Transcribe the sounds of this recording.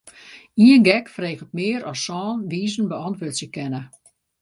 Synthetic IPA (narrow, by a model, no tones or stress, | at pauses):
iənɡɛkfreːɣətmɪəɾɔsɔːnʋiːzən̩bəɔntʋøtsjəkɛnə